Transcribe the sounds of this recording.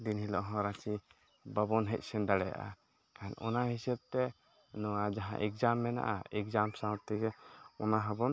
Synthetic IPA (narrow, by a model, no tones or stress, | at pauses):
d̪inhilɔʔɦɔ̃ɾat͡ʃi | babɔnɦɛc̚ˀsɛnd̪aɽɛja̰ʔa̰ | kanɔ̰naɦisɛb̚t̪ɛ | nɔwad͡ʒaɦã̰ʔɛk̚d͡ʒamːɛna̰ʔa̰ɛkd͡ʒamsãw̃t̪t̪ɛɡɛɔnaɦəbɔn